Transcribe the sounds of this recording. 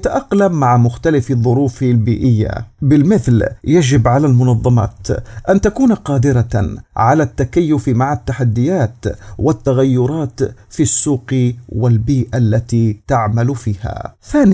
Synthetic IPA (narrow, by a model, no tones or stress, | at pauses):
t̪aʔɑqlamːaʕamʊxt̪alɪfɑðˤːʊɾuːflbiːʔɪjːa̰bɪlmɪθljad͡ʒɪbʕalaːlmʊnɑðˤːɑmɑ̰ːt̪ʔant̪akuːnqɑːd̪ɪɾaʕalat̪ːakajːʊfmaʕat̪ːaħad̪ːɪjaːt̪wɪt̪ːaɣajːʊɾˤɑːt̪ | fisːuːqwɪlbiːʔalːat̪it̪aʕmalfiːha̰θaːnɪ